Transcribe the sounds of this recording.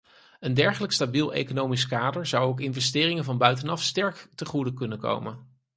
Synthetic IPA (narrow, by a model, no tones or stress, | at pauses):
əndɛɹχələkstabilˠḛjkonowmiskaːdəɹzɑwowk̬ɪnvɛstɪːrɪŋənvɑnbœɥtənɑfstɛɹktəχudəkɵnənko̰wmən